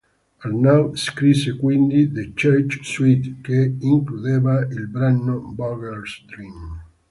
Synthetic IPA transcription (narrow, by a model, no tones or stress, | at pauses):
aɾnawskɾisekwind̪id̪et͡ʃɛɾt͡ʃswit̪keiŋklud̪evailbɾanːobɔɡɛɾsd̪ɾim